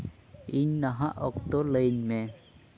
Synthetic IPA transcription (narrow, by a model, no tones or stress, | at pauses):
iɲnaɦaʔɔk̚t̪oləjɲme